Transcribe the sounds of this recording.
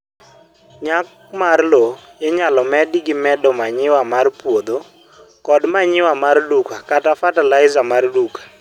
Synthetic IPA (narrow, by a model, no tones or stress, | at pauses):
ɲak̚ | marlojɛɲalɔmɛdiɡɪmɛdɔmaɲɪwamarpwod̪o | kɔdmaɲɪwamardukakatafatalaɪzamardukḁ